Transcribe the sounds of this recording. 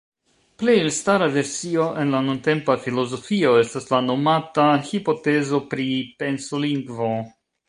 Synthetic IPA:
plejlstaɾave̞ɾsio̞ʔe̞nlanunte̞mpafilo̞zo̞fio̞e̞staslano̞matahipo̞te̞zo̞pɾipe̞nsoliŋɡvo̞

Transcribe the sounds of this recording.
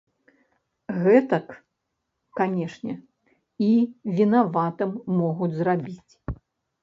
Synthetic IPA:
ɣɛt̪ɐk | kanʲɛʂnʲɛ | ivʲinavat̪ɨmːɔɣud͡zʲzrabʲit͡sʲ

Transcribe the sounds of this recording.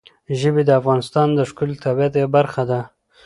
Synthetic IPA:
ʒəbed̪əafɣɑnɪst̪ɑnd̪əʂkʊlt̪ʰabijat̪jewbaɾxad̪a

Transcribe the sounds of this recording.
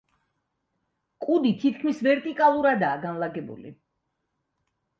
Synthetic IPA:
kʼud̪it̪ʰit̪̚ʰkʰmisvɛɾt̪ʼikʼalˠuɾad̪aːɡanlˠaɡɛbṵlḭ

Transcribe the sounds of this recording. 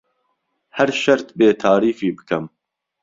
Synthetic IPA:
hæɾʃɐɾt̪beːt̪ʰaːɾiːfiːbɨkʰɐm

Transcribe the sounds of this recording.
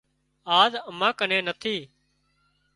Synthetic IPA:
aːzəmãːkənẽːnət̪ʰiː

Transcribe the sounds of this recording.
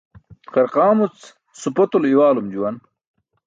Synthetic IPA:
qɐɾqaːmut͡s | supɐt̪uliwaːlumd͡ʑuwɐn

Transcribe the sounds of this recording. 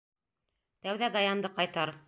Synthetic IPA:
t̪æwðæd̪ɑjɑnd̪ɤqɑjt̪ɑɾ

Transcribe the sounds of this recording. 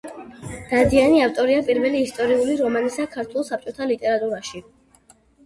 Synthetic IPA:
d̪̥ad̪ianiaft̪ʼɔɾiapʼiɾvɛliːst̪ʼɔɾiuliɾɔmanisakʰaɾt̪ʰwɛlˠsap̚t͡ʃʼɔt̪ʰalit̪ʼɛɾat̪ʼuɾaʃi

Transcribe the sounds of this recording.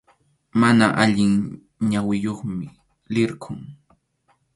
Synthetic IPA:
manaʔaʎɪŋ | ɲawɪjoχmɪ | lɪɾkʰʊŋ

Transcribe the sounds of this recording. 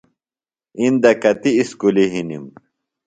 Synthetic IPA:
ind̪ɐkɐt̪iːskuliɦinim

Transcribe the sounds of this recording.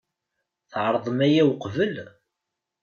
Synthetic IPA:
θʕɾˤðˤəmæjæwqvəl

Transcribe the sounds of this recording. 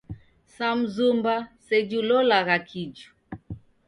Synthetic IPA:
sam̩zumbasɛd͡ʒulɔlaɣakʰid͡ʒu̥

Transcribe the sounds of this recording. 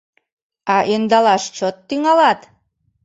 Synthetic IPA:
ɑʔend̪ɑlˠɑʃt͡ɕot̪ːiŋɑlˠɑt̪

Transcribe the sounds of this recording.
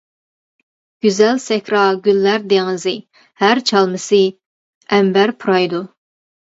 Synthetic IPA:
ɡ̥ʲyzɛlsɛkʲɾɑɡʲylːæɾd̪eŋɨzɨ | hæɾt͡ʃʰɑlˠmɨsɨ | ɛmbæɾpʰuɾɑjd̪u

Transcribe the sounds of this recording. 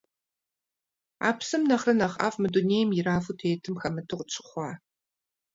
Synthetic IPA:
a̰ːpsɨmnɐχrɨnɐχa̰ːfmɨduneːjmjɪraːfutʰeːtʰɨmxɐmɨtʰɨʁt͡ʃʰɨ̥χʷɑː

